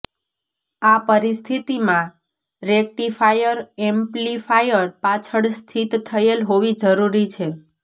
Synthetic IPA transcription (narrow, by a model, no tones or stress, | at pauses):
apəɾist̪ʰit̪imã | ɾek̚ʈifajəɾɛmplifʰajəɾpat͡ʃʰəɽst̪ʰit̪ːʰəelɦoʋid͡ʒəɾuɾit͡ʃʰe